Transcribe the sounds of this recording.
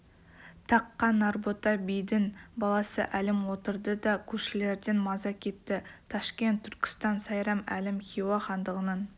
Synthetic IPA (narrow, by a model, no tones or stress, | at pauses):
t̪ʰɑqːɑnɑrbot̪ɑbijd̪ɪnbɑlˠɑsə̰ʔælɪmwo̞t̪əɾd̪əd̪ɑkʲʰɵʃɪle̞ɾd̪enmɑzɑkʲʰe̞t̪ːɪt̪ʰɑʃkʲe̞nt̪ʰːʏɾkʲɪ̥st̪ɑnsɑjɾɑmæ̰lɪmxʲiwɑχɑnd̪əʁənɑn